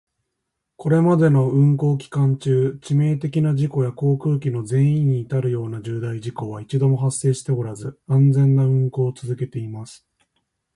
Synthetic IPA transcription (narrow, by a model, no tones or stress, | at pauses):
ko̞ɾe̞mad̪e̞no̞ɯ̟̃ŋko̞ːkʲi̥kãɲt͡ɕɨːt͡ɕime̞ːt̪e̞kʲinaʑiko̞jako̞ːkɯ̟ːkʲino̞zẽ̞ɰ̃ĩɲ̟ːiːt̪aɾɯ̟jo̞ːnaʑɨːd̪aiʑiko̞βait͡ɕid̪o̞mo̞ɦasːe̞ːɕi̥t̪e̞o̞ɾazɨãnd͡zẽ̞nːaɯ̟̃ŋko̞ːt͡sɨzɨke̞t̪e̞imasɨ̥